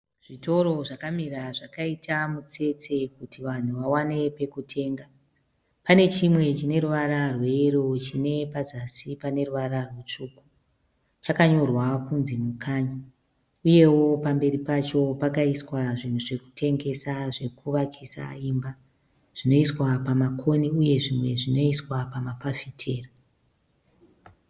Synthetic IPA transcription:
ʐ̥ito̞ɾo̞ʐakamiraʐakaitʰamut͡se̞t͡se̞kutiʋan̤uʋawane̞pe̞kutʰe̞ːŋɡa | pane̞t͡ʃimwe̞t͡ʃine̞ruʋaɾarwe̞ːrot͡ʃine̞pad͡zasipane̞ruʋaɾarwet͡ʂuːku | t͡ʃakaɲo̞rwakunzimukʰaːɲa | uje̞wo̞pambe̞ɾipat͡ʃo̞pakaiswaʐin̤uʐe̞ku̥tʰe̞ŋɡe̞saʐe̞kuʋakʰisa̰imba | ʐ̥ino̞iswapamakʰo̞niuje̞ʐimwe̞ʐino̞iswapamapafitʰeːra

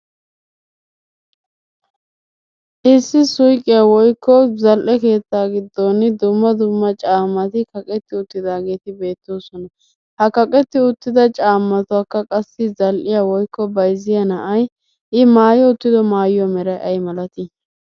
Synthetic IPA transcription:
ʔɪsːɪsʊjkʼːɪjawɔjkːɔzɐlʔɛke̞ːt͡s̪ːaːɡɪd̪ːonɪd̪ʊmːɐd̪ʊmːɐt͡ʃʼaːmːɐt̪ɪkɐkʼɛt̪ːɪʊt̪ːɪd̪aːɡe̞ːt̪ɪbe̞ːt̪ːoːsɔnɐ | hɐkɐkʼɛt̪ːɪʊt̪ːɪd̪ɐt͡ʃʼaːmːɐt̪ʊɐkːɐkʼɐsːɪzɐlʔɪjawɔjkʰːɔbɐjzɪjɐnɐʔɐj | ʔɪmaːjɔʊt̪ːɪd̪ɔmaːjjɔmɛɾɐjʔɐjmɐlɐt̪ɪ

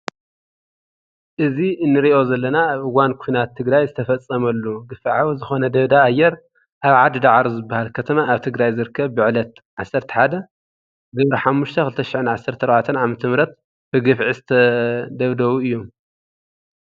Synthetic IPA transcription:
ʔɨziɨnːɨɾiʔo̞zɐlːɐnaβɨɡankʰinat̪ʰːɨɡɾajzɨt̪ʰɐfɐt͡sʼːɐmɐlːuɡɨfiʕawuzɨxo̞nɐd̪ɐβd̪aːjːɛɾ | ʔaβʕad̪ɨd̪aʕɾuzɨbːahalkʰɐt̪ʰɐmaːβt̪ʰɨɡɾajzɨɾɨkʰːɐβbɨʕlɐt̪̚ʕasːɐɾt̪ʰɐ̥ħad̪ɐ | zɨβɾɐħamːuʃt̪ʰɐxɨlɨt̪ʰɐʃɪʕɨnʕasːɐɾt̪ʰɐɾɐβat̪ʰɐnʕamɐt̪ʰɐmɾɐt̪̚ | b̥ɨɡɨfʕizɨt̪ʰɐd̪ɐβd̪ɐwuɨjːom

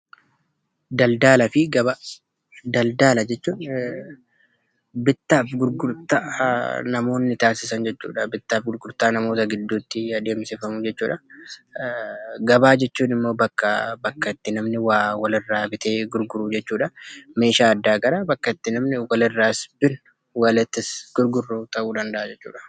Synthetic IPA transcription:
d̪ɐld̪aːlɐfɪɡɐba | d̪ɐld̪aːlɐd͡ʒɛt͡ʃːuːn | bɪt̪ːaːfɡʊɾɡʊɾt̪aːnɐmo̞ːnːɪt̪aːsɪsɐnd͡ʒɛt͡ʃːṵːᶑɐbɪt̪ːaːfɡʊɾɡʊɾt̪aːnɐmo̞ːt̪ɐɡɪd̪ːuːt̪ːɪɐd̪e̞ːmseːfɐmʊd͡ʒɛt͡ʃːuːᶑɐ | ɡɐbaːd͡ʒɛt͡ʃːuːnɪmːoːbɐkːɐbɐkːɐɪt̪ːɪnɐmnɪwaːwɐlɪrːaːbɪt̪e̞ːɡʊɾɡʊɾuːd͡ʒɛt͡ʃːuːᶑɐme̞ːʃaːd̪ːaːɡɐɾabɐkːɐɪt̪ːɪnɐmnɪwɐlɪrːaːsbɪn | wɐlɪt̪ːɪsɡ̥ʊɾɡʊrːut̪ɐʔuːd̪ɐnd̪ɐʔad͡ʒɛt͡ʃːṵːᶑɐ̥

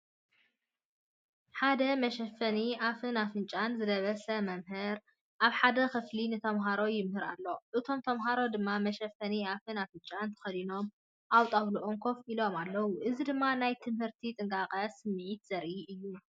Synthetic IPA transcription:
ħad̪ɐmɐʃɐfːɐniafɨnafɨnt͡ʃʼanzɨd̪ɐβɐsɐmɐmɦɨɾ | ʔaβħad̪ɐxɨflinɨt̪ʰɐmɦaɾo̞jɪmhɨɾa̰lːo̞ʔɨt̪ʰo̞mt̪ʰɐmɦaɾo̞d̪ɨmːamɐʃɐfɐniafɨnafɨnt͡ʃʼant̪ʰɐ̥xɐd̪ino̞m | ʔawt̪ʼawluʔoŋkʰo̞filo̞malːɐwuʔɨzid̪ɨmːanajt̪ʰɨmhɨɾt̪ʰit̪ʼɨŋkʼakʼɐsɨmːɨʕit̪z̥ɐɾʔiɨjːu

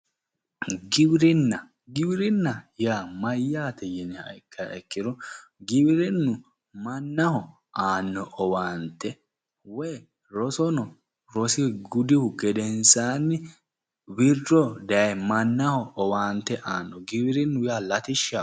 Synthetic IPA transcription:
ɡɪbɪɾɪnːɐ | ɡɪbɪɾɪnːɐjaːmɐjːaːt̪ɛjɛnɛɐ̰jkʰːɐʔɛkːɪd̪ɔɡɪbɪɾɪnːʊ | mɐnːɐhɔ | aːnːɔʔɔwaːnt̪ːɛ | wɛj | ɾɔsɔnɔ | ɾɔsɪɡʊd̪ɪhʊɡɛd̪ɛnsaːnːɪ | wɪrːɔd̪ɐjɐjmɐnːɐhɔɔwaːnt̪ːɛʔaːnːɔɡɪbɪɾɪnːʊjaːlɐt̪ɪʃːa

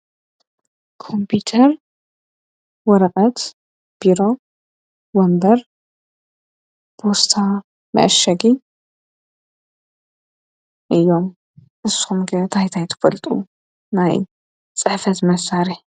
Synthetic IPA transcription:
kʰompʰut̪ʰɐɾ | wɔɾɐkʼɐt̪ | b̥iɾo̞ | wɐmbɐɾ | b̥ʰost̪ʰa | mɐ̰ʔʃɐɡi | ʔɨjːom | ʔɨsxumɡɐt̪ʰajt̪ʰajt̪ʰɐ̥fɐlt̪ʼṵ | naj | t͡sʼɨħfɐt̪mɐsaɾiħ

